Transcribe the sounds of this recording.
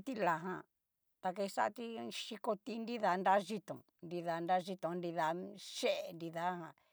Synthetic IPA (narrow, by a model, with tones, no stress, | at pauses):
t̪i˦la˨ɦã˧˨ | t̪a˧k̬e˧i˧sa̰˦˧t̪i˦ʃi˧ko˧t̪i˦ndi˦ða˧nda˦ʒi˦t̪õ̰˨ | ndi˧ða˧nda˦ʒi˧t̪õ˧˨ndi˧ða˧ʃe˦ʔe˨ndi˧ða˧˦hã˧